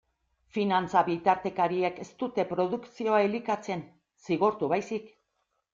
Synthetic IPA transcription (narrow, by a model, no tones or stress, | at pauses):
finant͡saβit̪aɾt̪e̞kaɾieke̞st̪ut̪e̞pɾo̞ðuksio̞aelikat͡se̞n | siɣ̞oɾt̪uβajsik